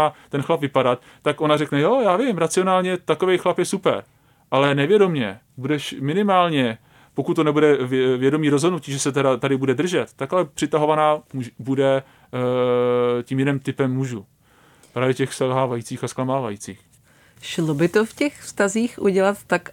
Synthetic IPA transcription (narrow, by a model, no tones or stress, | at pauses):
at̪ɛnxlapvɪpadat̪ːakʔo̞narɛknɛjojaːvɪɪmɾat͡sɪonaːlɲɛt̪ako̞vejxlapjɛsupɛ̰ɾ | ʔalɛnɛvjɛdo̞mɲɛ | budɛʃmɪnɪmaːlɲɛ | po̞kut̪tːonɛbudɛvvjɛdo̞miːɾozɦodnuciːʒɛsɛt̪ɛɾat̪adɪbudɛd̪r̩ʒɛt̪ːakalɛpr̥ɪt̪aɦo̞vanaːmubudɛ | ciːmjɪnɛmt̪ɪpɛmːuʒu | pɾaːvjɛcɛxsɛlɦaːvajiːt͡siːxasklamaːvajiːt͡siːx | ʃlobɪt̪ofcɛxfst̪aziːxʔuɟɛlat̪ːak